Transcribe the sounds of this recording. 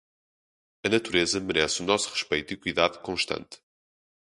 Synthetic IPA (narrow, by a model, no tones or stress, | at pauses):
ɐnɐt̪uɾezɐmɨɾɛsunɔsu̥ʁɨʃpɐjt̪uikuiðaðkõʃt̪ɐ̰̃nt̪